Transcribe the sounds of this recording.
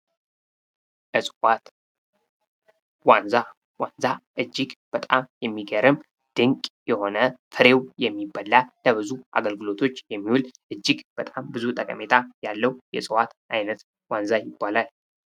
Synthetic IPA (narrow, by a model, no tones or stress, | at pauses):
ʔɨsʼwat̪ | wanza | wanzaʔɨd͡ʒːɪɡb̥ət̪ʼamjɛmːiɡəɾɨm | d̪̥ɨŋkʼjɛho̞nət̪ʰɨɾe̞wjɛmːibːalːaləβɨzuʔa̰ɡəlɡɨlo̞t̪ʰo̞t͡ʃːjɛmːiwulʔɨd͡ʒːɪɡb̥ət̪ʼambɨzut̪ʼəkʼə̰me̞t̪ʰajalːəwjɛsʼɨwat̪ʔajnət̪ | wanzajɪbːalal